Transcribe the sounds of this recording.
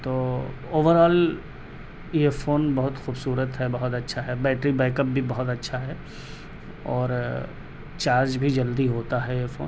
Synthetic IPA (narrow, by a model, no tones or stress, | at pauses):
t̪oː | oːʋəɾɔːl | jefoːnbɐɦʊt̪xuːbsuːɾət̪ɦɛbɐɦʊt̪ɐtːʃʰaɦɛbɛːʈɾibɛːkəp̚bʱibɐɦʊt̪ɐtːʃʰaɦɛ | ɔːɾ | t͡ʃaːɾd͡ʒbʱid͡ʒɐld̪iɦoːt̪aɦɛjefo̰ːn